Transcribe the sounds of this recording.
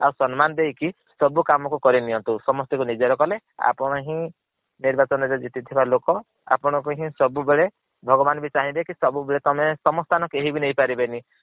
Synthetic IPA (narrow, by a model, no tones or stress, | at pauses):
awsɔnmanɔd̪ejki | sɔbukamɔkukɔɾiniɔnt̪usɔmɔst̪ikunid͡ʒɔɾɔkɔle | a̰pɔɽ̃ɔɦĩ | niɾbat͡ʃɔnɔɾɔd͡ʒit̪it̪ʰibalokɔ | a̰pɔɽ̃ɔkuɦĩsɔbubeɭe | bʱɔɡɔbanɔbit͡ʃaɦĩd̪ekisɔbubeɭet̪ɔmesɔmɔst̪ʰanɔkeɦibinejpaɾibeni